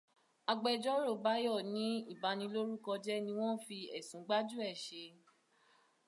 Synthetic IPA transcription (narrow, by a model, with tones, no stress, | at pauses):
a˧ɡ͡bɛ˧d͡ʒɔ˦ɾo˦˨ba˦jɔ˦˨nĩ˨˦i˦˨ba˨˦nĩ˧lo˦ɾu˦kɔ˧d͡ʒɛ˦nĩ˧w̃ɔ̃˦fi˧ɛ̰˨sũ˨˦ɡ͡ba˦d͡ʒu˦ɛ˦˨ʃe˧